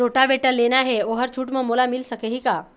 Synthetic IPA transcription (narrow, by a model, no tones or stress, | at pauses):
oːʈaʋeʈəɾleːnaɦɛoɦəɾt͡ʃʰuːʈmẽmolamɪlsəkeɦika